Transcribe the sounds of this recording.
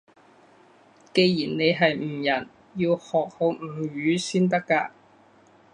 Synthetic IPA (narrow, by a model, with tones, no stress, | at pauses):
ke˧jjiː˨˩nne˨˧jɦɐ˨jm̩˨˩jɐ˨˩n | jiː˧whɔː˨k̚ho˨˧˥wm̩˨˩˨ɥyː˨˧˥siː˥nt̪ɐ˥kːaː˧